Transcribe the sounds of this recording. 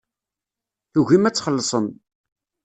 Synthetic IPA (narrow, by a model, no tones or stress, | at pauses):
θuʝimæt͡sːχəlːəsˤəm